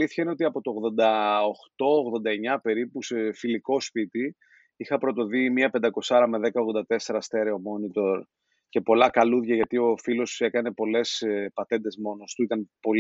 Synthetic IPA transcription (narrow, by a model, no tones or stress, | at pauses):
liθçɐine̞o̞t̪iɐpo̞t̪o̞ɣðo̞nd̪ɐoxt̪o̞oɣðo̞nd̪ɐeɲɐpe̞ɾipuse̞filiko̞spit̪i | ixɐpɾo̞t̪o̞ðimiɐpe̞nd̪ɐko̞sɐɾɐme̞ðe̞kɐoɣðo̞nd̪ɐt̪e̞se̞ɾɐst̪e̞ɾeo̞mo̞nit̪o̞ɾ | ce̞po̞lɐkɐluðʝɐʝɐt̪io̞filo̞siekɐne̞po̞le̞spɐt̪e̞nd̪e̞zmo̞no̞st̪uit̪ɐnpo̞l